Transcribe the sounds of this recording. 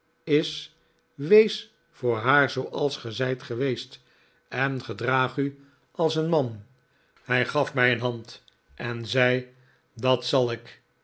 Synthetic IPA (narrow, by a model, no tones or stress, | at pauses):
ɪs | ʋejs | fʊːɹɦaːɹzowʔɑlˠsχəzɛjtχəʋejst | ɛnχədraːχy | ʔɑlˠsənmɑn | hɛjχɑfmɛjənɦɑnt | ʔɛnzɛj | dɑtsɑlˠɪk